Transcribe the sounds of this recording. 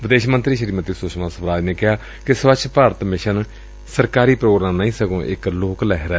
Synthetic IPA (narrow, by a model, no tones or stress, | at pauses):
ʋɪd̪eːʃmənt̪ɾiːʃəɾiːmət̪isʊʃmãːsəbɾaːd͡ʒneːkɪɦaː | kɪsʋəʃʰpaːɾət̪mɪʃən | səɾkaːɾiːpɾoːɡɾaːmnəːĩːsəɡõːʔɪkloːklɛːɦɾɛː